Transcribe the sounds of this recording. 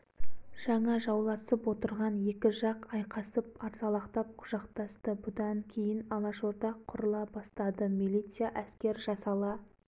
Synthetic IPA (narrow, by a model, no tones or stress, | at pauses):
ʒ̥ɑɴɑʒɑwlˠɑsəpwo̞t̪əɾʁɑnje̞kʲɪʒɑqɑjqɑsəpɑɾzɑlˠɑqt̪ɑp̚qʰʊʒ̥ɑqt̪ɑst̪əbʊd̪ɑŋkʲʰe̞jɪnɑlˠɑʃoɾt̪ɑqʰːʊɾəlˠɑbɑst̪ɑd̪əmilʲˠijt̪sɨjaʔæskʲe̞ɾʒɑsɑlˠɑ